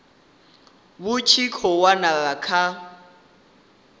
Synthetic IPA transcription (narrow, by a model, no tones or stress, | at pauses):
bʊt͡ʃʰikʰɔwanaɣakʰa